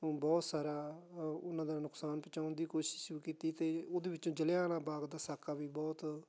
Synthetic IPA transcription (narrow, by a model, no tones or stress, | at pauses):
bɔːt̪saːɾaːʊnːãːd̪aːnʊksaːnpət͡ʃaːʊnd̪iːkoːʃɪ̥ʃɾuːkiːt̪iːt̪eːoːd̪eːʋɪt͡ʃõːd͡ʒəljaːɽãːbaːɡd̪aːsaːkaːʋiːbɔːt̪